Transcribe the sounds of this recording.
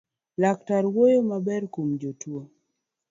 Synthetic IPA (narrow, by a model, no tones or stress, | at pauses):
lak̚taɾwojomabɛrkomd͡ʒotwo